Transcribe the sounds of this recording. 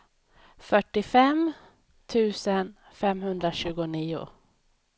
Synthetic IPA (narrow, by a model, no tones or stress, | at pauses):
fœʈːɪfɛm | t̪ʰʉ̟ːsən | fɛmhɵnd̪ɾaɕʉ̟ːɡʊniːʊ̰